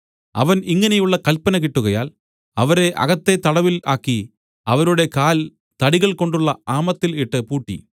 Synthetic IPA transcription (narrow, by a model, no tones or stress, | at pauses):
ɐ̰ʋɐniŋːɐnejuɭːɐkɐlpɐnɐk̬iʈːuɣɐjaːl | ɐʋɐɾe̞ʔɐ̰ɣɐt̪ːe̞t̪ɐɽɐʋilaːkːi | ɐʋɐɾuɽe̞kaːl | t̪ɐɽiɣɐɭkoɳɖuɭːɐaːmɐt̪ːiliʈːɨpuːʈːḭ